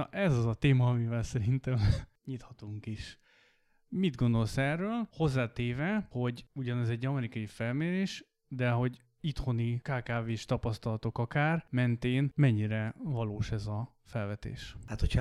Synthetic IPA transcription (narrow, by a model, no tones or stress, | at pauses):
ʔɛzɒzɒt̪eːmɒːmivɛlsɛɾint̪ɛm | ɲit̪hɒt̪uŋkiʃ | mid̪ɡo̞nd̪o̞lsɛrːøːlho̞zːaːt̪eːvɛho̞ɟuɟɒnɛzɛɟːɒmɛɾikɒjifɛlmeːɾeːʃ | d̪ɛɦo̞ɟ | it̪ho̞nikaːkaːveːʃt̪ɒpɒst̪ɒlɒt̪o̞kɒkaːrmɛnt̪eːnmɛɲːiɾɛvɒloːʃɛzɒ | fɛlvɛt̪ḛːʃat̪ocʰ